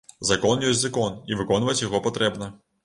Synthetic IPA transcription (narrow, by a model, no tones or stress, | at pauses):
zɐkɔnjɔsʲtʲzɐkɔnivɨkɔnvɐt͡sʲjaɣɔpat̪ɾɛbnɐ